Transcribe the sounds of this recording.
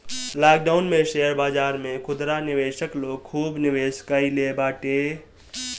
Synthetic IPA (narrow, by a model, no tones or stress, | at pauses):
laːkɖaʊnmẽʃejəɾbaːd͡ʒaːɾmẽkʰʊd̪ɾanɪʋeːʃəkloːɡ̚kʰuːbnɪʋeːʃkailebaːʈeː